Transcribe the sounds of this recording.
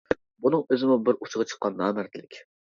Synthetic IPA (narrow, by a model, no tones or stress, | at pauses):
bunɨŋøzɪmʊbɪɾʔut͡ʃʰʁɑt͡ʃʰə̥qːɑnːɑːmæɾt̪ʰɪlɪkʲ